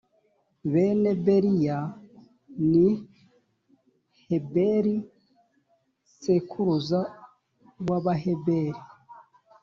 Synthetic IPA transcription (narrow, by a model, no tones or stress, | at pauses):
βene̞beɾija | ni | hebeɾi | sekʰuɾuza | waβaɦebeɾi